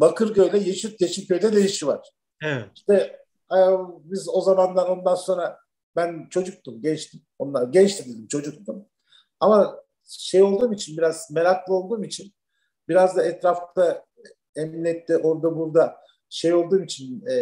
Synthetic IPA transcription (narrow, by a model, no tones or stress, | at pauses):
bakʰɯɾɟø̞jlʲɛjeʃit̪̚ɟeʃʰimcʰø̞jlʲɛd̪e̞jiʃivaɾ̥ | ɛ̥ʃt̪ɛ | abizo̞zamanlˠaɾo̞nd̪anso̞nɾa | bænt͡ʃʰo̞d͡ʒuk̚t̪ʰumɟɛt͡ʃt̪ʰim | onaɟɛt͡ʃt̪ʰid̪id̪imt͡ʃʰo̞d͡ʒuk̚t̪um | ama | ʃe̞jo̞lˠd̪uːmit͡ʃʰinbiɾazme̞ɾaklˠɯo̞lˠd̪uːmit͡ʃʰin | biɾazd̪aɛt̪ɾaft̪ʰa | eminʲːɛt̪ːiʔo̞ɾd̪abuɾd̪a | ʃe̞jo̞lˠd̪uːmit͡ʃʰinː